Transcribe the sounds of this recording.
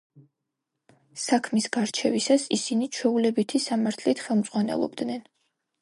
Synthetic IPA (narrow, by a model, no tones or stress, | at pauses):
sakʰmisɡaɾt͡ʃʰɛvisasisinit͡ʃʰwɛulɛbit̪ʰisamaɾt̪ʰlit̪ʰχɛlˠmd̪z̥ʼʁwanɛ̰lˠɔ̰bd̪nɛn